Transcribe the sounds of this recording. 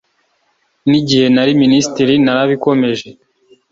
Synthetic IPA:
niɟihe̞naɾiminisitiɾinaɾaβiko̞me̞ʒe̞

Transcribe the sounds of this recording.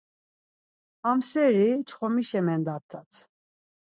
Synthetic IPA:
amsɛɾit͡ʃʰχɔmiʃɛmɛnd̪ap̚t̪ʰat͡sʰ

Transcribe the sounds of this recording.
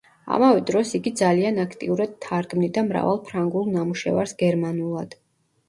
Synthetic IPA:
a̰mavɛd̪ɾɔsiɡid̪zalianakʰt̪ʼiuɾad̪̥̚t̪ʰːaɾɡmnid̪amɾa̰valˠpʰɾaŋɡulˠnamuʃɛva̰ɾsɡɛɾmanulˠad̪̥

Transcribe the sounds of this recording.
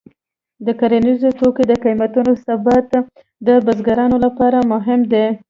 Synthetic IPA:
d̪əkaɾanizot̪oked̪əkamat̪unosabat̪ | d̪əbazɡaɾɑnolapɑɾamʊɦɪmd̪e

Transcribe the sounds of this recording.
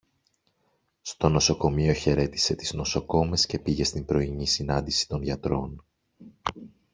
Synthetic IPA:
st̪o̞no̞so̞ko̞mio̞çe̞ɾe̞t̪i̥se̞t̪izno̞so̞ko̞me̞sce̞piʝe̞st̪imbɾo̞iɲisinɐnd̪isi̥t̪o̞nʝɐt̪ɾo̞n

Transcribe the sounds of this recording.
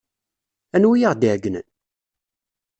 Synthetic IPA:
ænwijʁd̪iʕɡːənə̰n

